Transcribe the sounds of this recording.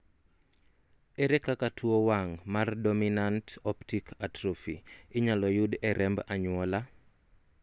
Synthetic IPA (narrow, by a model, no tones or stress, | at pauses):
ɛɾɛkakatʰuowaŋmardɔminantɔptikʰatɾɔfiɪɲalɔjudɛɾʔɛmbaɲwɔla